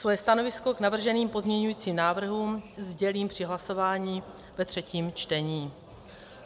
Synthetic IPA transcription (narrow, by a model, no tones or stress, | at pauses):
svojɛst̪ano̞vɪsko̞ɡnavr̩ʒɛniːmpo̞zmɲɛɲujiːt͡siːmnaːvr̩ɦuːmzɟɛliːmpr̝̥ɪɦlaso̞vaːɲiː | vɛt̪r̥ɛciːmt͡ʃt̪ɛɲiː